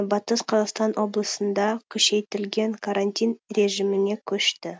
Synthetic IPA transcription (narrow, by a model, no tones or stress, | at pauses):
bɑt̪əsqʰɑzɑqst̪ɑnwʔo̞blˠəsənd̪ɑkʲʰɵʃe̞jt̪ɪlɡʲe̞ŋkʰaɾanʲt̪ʲijnre̞ʒimɪne̞kʲʰɵʃt̪ɪ